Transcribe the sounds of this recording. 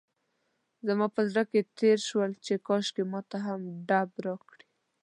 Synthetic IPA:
zamɑpəzɽaket̪eɾʃwəlt͡ʃekɑʃkemɑt̪aɦamɖabɾɑkɽi

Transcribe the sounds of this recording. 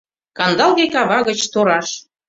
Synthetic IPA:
kɑnd̪ɑlɣekɑβɑɣə̆t͡ɕt̪oɾɑʃ

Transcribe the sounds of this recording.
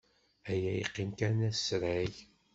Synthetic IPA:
æjæjiqːinkænæsɾæj

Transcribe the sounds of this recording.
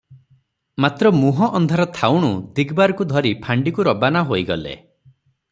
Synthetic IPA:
mat̪ɾɔmuɦɔʔɔnd̪ʱaɾɔt̪ʰawɽ̃ud̪ʱiɡbaɾɔkud̪ʱɔɾipʰaɳɖikuɾɔbanaɦoiɡɔlḛ

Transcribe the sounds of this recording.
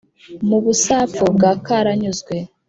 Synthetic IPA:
muβusaːfubɡaːkaɾaɲuzɡwe

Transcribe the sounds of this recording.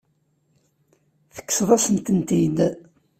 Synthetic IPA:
θə̥kːsðˤæsənt̪ənt̪id̪

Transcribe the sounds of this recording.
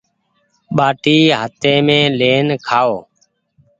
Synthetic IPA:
ɓaːʈiːɦət̪eːmẽːleːnkʰaːoː

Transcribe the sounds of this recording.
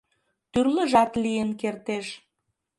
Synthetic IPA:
t̪yrləʒɑt̪lijənkert̪eʃ

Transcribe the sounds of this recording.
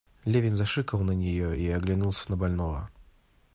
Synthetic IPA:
lʲevʲɪnʲzɐʂɨkəlˠnənʲɪjoiɐɡlʲɪnulˠsʲə̥nəbɐlʲnovə̰

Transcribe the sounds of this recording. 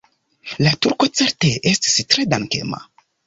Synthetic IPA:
latuɾko̞t͡se̞ɾte̞ʔesti̥stɾe̞danke̞̰ma̰

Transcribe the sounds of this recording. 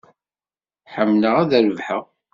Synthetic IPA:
ħəmːnəʁæðəɾəvħəʁ

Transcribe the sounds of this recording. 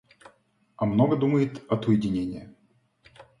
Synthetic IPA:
ɐmnoɡəd̪uməjɪt̪ɐt̪ʊjɪdʲɪnʲenʲɪjə

